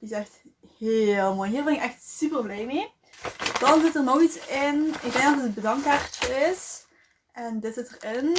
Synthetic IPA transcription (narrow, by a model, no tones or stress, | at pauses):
d̥iɪsɛxthɪlˠmoːjɦiːɹbɪnɪkɛxtsypərblɛjmeː | d̥ɑnzɪtərnoxisɪnɪɡ̚dɛŋɡ̚dɑtətəd̚bədɑŋkaːɹt͡ʃəɪs | ʔɛndɪtz̥ɪtərɪn